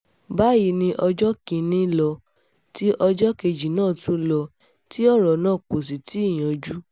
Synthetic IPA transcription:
ba˦ji˧˦nĩ˧ʔɔ˧d͡ʒɔ˦kĩ˧nĩ˦lɔ˧ | ti˦ʔɔ˧d͡ʒɔ˦ke˧d͡ʒi˨nãː˦˨tũ˨˦lɔ˧ | ti˦ɔ˦˨ɾɔ˨nãː˦˨ko˨s̬i˨ti˦i˦˨j̃ã˨d͡ʒu˦

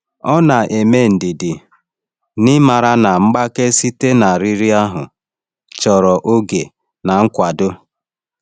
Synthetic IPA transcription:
ɔ˦na˨ʔe˨me˦˨n̩˨dɪ˨dɪ˨ | nɪ˦ma˨ɾa˦na˨ŋ͡m̩˦ɡ͡ba˦ke˦si˦te˦na˨ɾi˦ɾi˦a˦ɦʊ˨ | t͡ʃɔ˨ɾɔ˨ʔo˦ɡe˨ | na˨ŋ̩˦kʷa˨dʊ˦

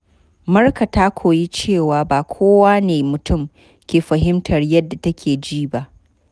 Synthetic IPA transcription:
mɐ˦rka˨ta˦kʷʰoː˨ji˦t͡ʃeː˦˨waː˨baː˨kʷʰoː˦waː˦neː˨mʊ˨tʊ˦˨m | kʲeː˨ɸɐ˨ɦɪ˦mtʰɐ˨rjɐ˦dːa˨tɐ˦kʲʰeː˨d͡ʒiː˦ba˦ʔ

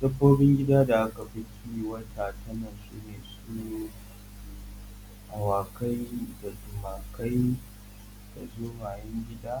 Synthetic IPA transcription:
d̥ɐ˦boː˦bɪ˦ŋɡʲɪ˦daː˦da˨ʔa˦ka˨bɪ˦kʲi˦wɐ˦tʰa˨tʰɐ˦na˨sṵː˦neː˨suː˦ | ʔa˨waː˨ka˦jda˨dʊ˨maː˨kɐ˦j | d̥a˨zoː˦ŋaː˨jɐ˦ŋɡʲɪ˦daː˦

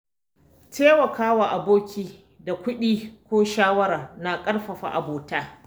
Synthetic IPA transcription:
tʰeː˦wɐ˨kaː˦waː˨ʔa˨boː˦kʲiː˨ | da˨kʷʊ˦ɗiː˦kʷoː˦ʃaː˦wɐ˦ɾa˨rna˨kʼɐ˦ɽɸɐ˨ɸa̰ː˨ʔa˨boː˨taː˦

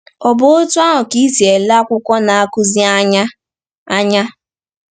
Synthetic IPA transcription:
ɔ˨bʊ˦o˦tu˦a˦ɦʊ˨ki˦si˨e˨la˦kʷʊ˦kʷɔ˦na˨a˨kʊ˦zi˦a˦ɲa˦ | a˦ɲa˦

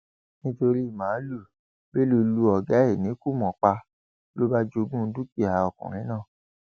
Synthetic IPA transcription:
nĩ˦to˧ɾi˦i˦˨mãː˨˦lu˦˨ | be˦lu˧lu˧ɔ˨ɡɛ˨˦e˦˨nĩ˨˦ku˦˨mɔ̃˨k͡pa˧ | lo˦ba˦d͡ʒo˧ɡũ˦˧˦du˦ti˦˨a˨ɔ˨kɔ̰̃˨ɾ̃ĩ˨˦nãː˦˨

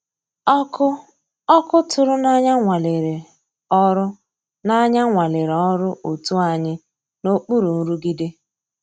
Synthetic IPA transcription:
ɔ˦kʊ˦tʊ˨ɾʊ˦na˦ɲa˦ŋʷa˨le˨ɾe˨ | ɔ˦ɾʊ˦ | na˦ɲa˦ŋʷa˨le˨ɾɔ˦ɾʊ˦ʔo˨tu˦a˦ɲɪ˦ | no˦k͡pu˦ɾu˨n̩˦ɾu˦ɡi˦dɪ˦

